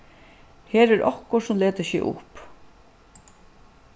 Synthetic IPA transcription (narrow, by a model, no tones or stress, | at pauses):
heːɾɛɾʔɔhkʊsʊmleːt̪əʃɛ̰ʔʊ̰hp